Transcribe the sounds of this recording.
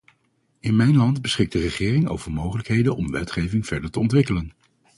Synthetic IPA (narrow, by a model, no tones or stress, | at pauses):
ɪnmɛjnlɑndbəsχɪk̚dərəχɪːrɪŋo̰wvəɹmowχələkɦejdənɔmʋɛ̰tχejvɪŋv̥ɛɹdəɹtəɔntʋɪkələn